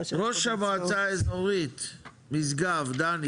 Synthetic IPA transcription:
ʁoʃhamoat͡saezoʁit̪ | mizɡavd̪an

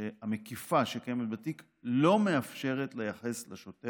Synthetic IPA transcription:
eamekifaʃekajemet̪̚batik | lo̞me̞afʃe̞ʁetlejaχe̞sleʃo̞te

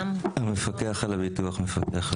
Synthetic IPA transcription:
amefakeaχalabituaχmefakeaχ

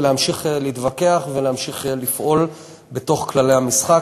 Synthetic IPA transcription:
lehamʃiχliːt̪vake̞aχvelehamʃiχlifʔo̞l | be̞to̞χklale̞hamisχa

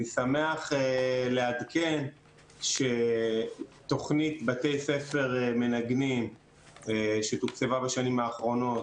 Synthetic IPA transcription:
isame̞aχelead̪ke̞n | ʃe̞ | t̪o̞χnitbat̪e̞jse̞fe̞ʁeme̞naɡnim | eʃet̪ukt͡sevabaʃanimaːχʁo̞no̞t

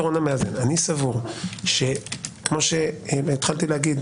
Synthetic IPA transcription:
ʁonameazenanisavuʁʃe̞kmo̞ʃe̞it̪χalt̪ilehaɡid̪

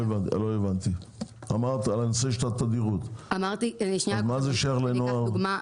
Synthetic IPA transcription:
evantloevant̪iamaʁt̪alanoseʃelat̪ad̪iʁut̪amaɾt̪ianiʃnaazmazeʃaaʁlenoavuɡma

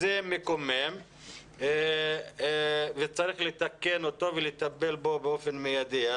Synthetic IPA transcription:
zemekomem | vet͡saʁiχlet̪akenot̪o̞velet̪abe̞lbo̞beo̞fe̞nmejad̪ia

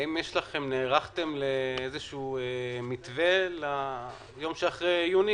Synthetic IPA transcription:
imjeʃlaχe̞mneːʁaχt̪e̞mleezeʃuːemit̪ve̞la | jo̞mʃeaχʁejjuni

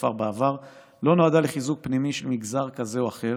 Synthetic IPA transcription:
faʁbaavaʁ | lo̞noadaleχizuk̚pnimiʃelmiɡzaʁkaze̞oaχe̞

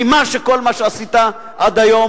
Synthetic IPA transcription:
imaʃekolmaʃeasit̪a | ʔad̪ajo̞m

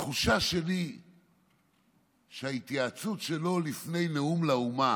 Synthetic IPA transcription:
χuʃaʃe̞li | ʃeait̪jaːt͡sutʃelo̞lifne̞jneumlauma

